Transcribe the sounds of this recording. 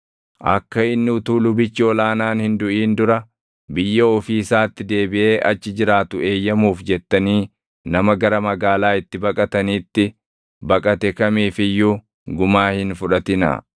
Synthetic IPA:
ʔɐ̰kːɐɪnːɪʊt̪uːlʊbɪt͡ʃːɪɔlaːnaːnhɪnd̪ʊʔiːnd̪ʊɾɐ | bɪjːɐɔfiːsaːt̪ːɪd̪e̞ːbɪʔe̞ːʔɐt͡ʃːɪd͡ʒɪɾaːt̪ʊe̞ːjːɐmuːfd͡ʒɛt̪ːɐniː | nɐmɐɡɐɾɐmɐɡaːlaːɪt̪ːɪbɐkʼɐt̪ɐniːt̪ːɪ | bɐkʼɐt̪ɛkɐmiːfɪjːu | ɡʊmaːhɪnfʊᶑɐt̪ɪnɐ̰

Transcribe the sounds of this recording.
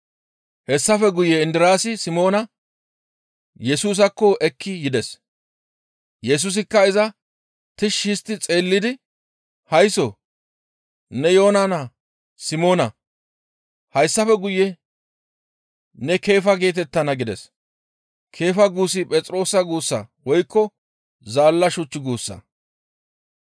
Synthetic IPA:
hɛsːɐfɛɡʊjɛɪnd̪ɪɾaːsɪsɪmo̞ːnɐ | jɛsuːs̬ɐkːɔʔɛkʰːɪjɪd̪ɛs | jɛs̬ʊs̬ɪkːɐɪzɐ | t̪ɪʃːist̪ːɪt͡sʼe̞ːlːɪd̪ɪ | hɐjso̰ | nɛjo̞ːnanɐ | sɪmo̞ːnɐ | hɐjsːɐfɛɡʊjɛ | nɛke̞ːfɐɡe̞ːt̪̬ɛt̪ːɐnɐɡɪd̪ɛs | kʰe̞ːfɐɡuːs̬ɪpʼɛt͡sʼɾo̞ːsɐɡuːsːɐ̰wɔjkːɔ | zaːlːɐʃʊt͡ʃːɪɡuːsːɐ̰

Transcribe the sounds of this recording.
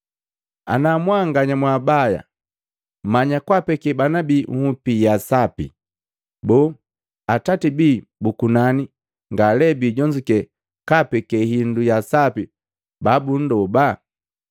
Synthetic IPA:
a̰namwaŋɡaɲamwabaja̰ | maɲakwapɛkɛbanabiŋhupijasapḭ | bɔ | atatibibukunani | ŋɡalɛbiɟɔɲd͡ʒikɛ | kapɛkɛɦindujasapi | babun̩dɔba

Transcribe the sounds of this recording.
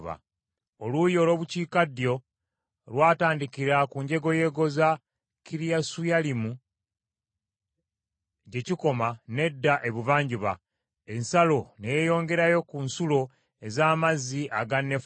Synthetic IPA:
βa̰ | olujo̞ːlo̞ːβuciːkadjo̞ | lwaːtaːndikiɾakuɲɟe̞ɡo̞je̞ɡoza | kiɾijasujalimu | ɟe̞ciko̞mane̞dːaʔe̞βuvaːɲɟiβa | ensalo̞nejejo̞ːŋɡe̞ɾajo̞kunsulo̞ | ezaːmaziʔaɡanːef

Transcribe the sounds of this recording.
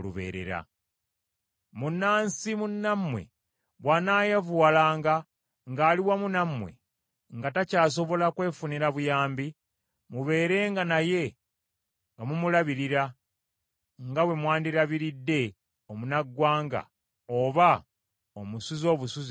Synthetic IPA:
lṵβḛːɾe̞̰ɾa̰ | munːaːnsimunːamwe̞̰ | βwanaːjevuwalaːŋɡa | ŋɡaːliwamunamwḛ | ŋɡatacaːs̬o̞βo̞lakwe̞ːfuniɾaβujaːmbi | muβe̞ːɾe̞ːŋɡanaje̞ | ŋɡamumulaβiɾiɾa | ŋɡawe̞mwaːndiɾaβiɾidːe̞ | omunaɡːwaːŋɡa̰ | oβa | omusuzo̞ːβusuz

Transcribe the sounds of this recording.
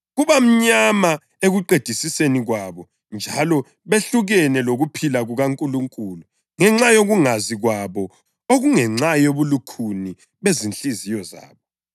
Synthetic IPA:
ɣuβam̩ɲama | eɣuǃed̥ʱisiseniɣwaβɔ | nd͡ʒʱa̰lɔ | βeɬuɣɛnɛloɣupʰilaɣuɣaŋkʼuluŋkʼuːlu | ŋɛŋ͡ǁajoɣuŋaziɣwaβɔ | oɣuŋɛŋ͡ǁajoβulukʰuni | βezint͡ɬʼizijɔza̰ːβɔ

